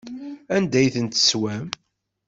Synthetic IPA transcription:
ænd̪æjθənt̪ə̥swæm

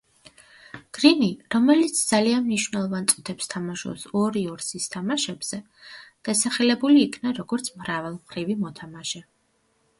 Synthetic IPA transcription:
ɡ̥ɾiniɾɔmɛlit̪sʰd̪z̥alianmniʃwvnɛlˠɔvant̪sʼut̪ʰɛpst̪ʰamaʃṵpsɔɾiɔɾsist̪ʰamaʃɛbz̥ɛ | d̪̥asaχɛlɛbuliːkʰnaɾɔɡɔɾt̪sʰmɾavɛlˠmχɾivimɔt̪ʰamaʃɛ

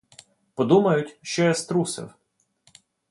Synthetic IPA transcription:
pɔd̪umɐjʊtʲʃt͡ʃɔjɛst̪ɾusɪ̰w

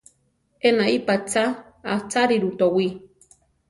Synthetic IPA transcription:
enaipat͡sa | at͡saɾiɾut̪owi

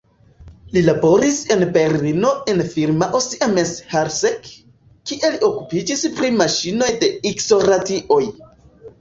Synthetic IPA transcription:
lilabo̞ɾise̞nbe̞ɾlino̞enfiɾmaʔosiʔameshaɾsek | kːiʔe̞lio̞kupid͡ʒispɾimaʃino̞jde̞ikso̞ɾatiʔo̞j

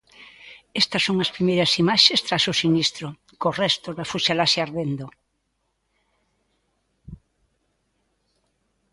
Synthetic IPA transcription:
est̪ɐsːõŋɐspɾimejɾɐsimaʃest̪ɾasosinist̪ɾo | korɛst̪oðafuʃalasjaɾðend̪o

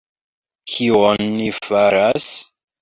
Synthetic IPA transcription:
kʰionːifaɾas

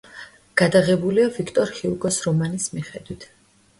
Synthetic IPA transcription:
ɡ̥ad̪aʁɛbuliavikʰt̪ʼɔɾhiuɡɔsɾɔmanismiχɛd̪̥wit̪ʰ

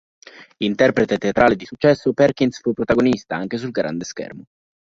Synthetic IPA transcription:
int̪ɛrpɾet̪et̪eat̪ɾʔaːled̪isut͡ʃːɛsːopɛrk̟insfupːɾot̪aɡonist̪aaŋk̟es̬ulɡɾa̰nd̪eskɛ̰rmo

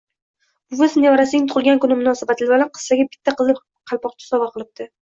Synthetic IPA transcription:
bʊvɪznɪjɒɾasɪnɪŋt̪ʰʊʁlˠɡʲankʊnɪmʊnɒsabat̪ʰlɪbalanqʰɨ̥sːaɡʲabɪ̥t̪ʰːaqʰɨzɪ | qʰɑlˠpɒqt͡ʃʰḁsɒvaqʰɨlˠɪp̚t̪ʰɪ

